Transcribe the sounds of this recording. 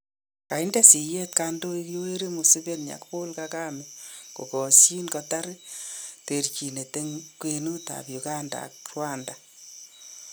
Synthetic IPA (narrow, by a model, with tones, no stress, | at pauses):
ka˨i˦ndɛ˦si˨je˦t̚kando˦i˦kjo˦we˦ɾe˦mu˨sɪ˦be˦tɲa̰˨kpo˦lkaka˦meko˨kɔ˨si˦nkɔ˧ta˦ɾ | te˨rt͡ʃi˨ne˨te˦ŋkwe˨nu˦ta̰˨pju˨ka˦nda̰k̚rwa˦nda